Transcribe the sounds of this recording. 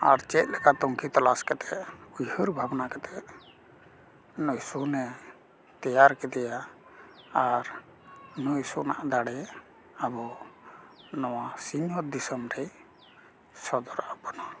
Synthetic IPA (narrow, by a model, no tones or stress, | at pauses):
aɾt͡ʃɛt̪̚lɛkat̪ɔŋkʰit̪ɔlaskɛt̪ʰɛʔujhəɾbʱabnakɛt̪ʰɛʔ | nɔjsunɛ | t̪ɛjaɾkɛd̪ɛja | aɾ | nujsunaʔd̪aɽɛ | abɔ | nɔwasiɲɔt̪̚d̪isəmɾɛj | sɔd̪ɔɾabɔna